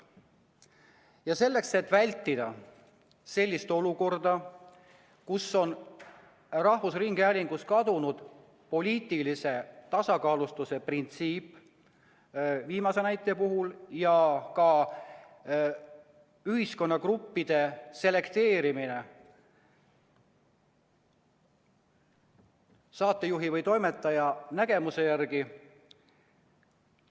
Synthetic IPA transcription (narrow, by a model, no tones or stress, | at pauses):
jɑse̞lːe̞kse̞t̪ːˑvælʲt̪ːˑid̪̥ɑ | se̞lʲːist̪o̞luko̞rd̪̥ɑ | kusːo̞n | rɑhvusriŋɡ̥eælʲiŋɡ̥uskɑd̪unud̪̥ | po̞lʲiːt̪ːˑilise̞t̪ɑsɑkɑːlust̪use̞print̪siːpː | viːmɑse̞næjt̪ːˑepuɦuljɑkɑ | yɦisko̞nːɑkrupːid̪̥e̞se̞le̞kt̪e̞ːɾimine̞ | sɑːt̪ːˑe̞juɦivɤjt̪o̞jme̞t̪ːˑɑjɑnæɡ̥e̞muse̞jærɡ̥i